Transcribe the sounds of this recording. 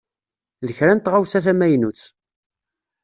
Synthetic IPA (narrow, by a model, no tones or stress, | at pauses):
ðəçɾænt̪ʁawsæθæmæjnut͡sː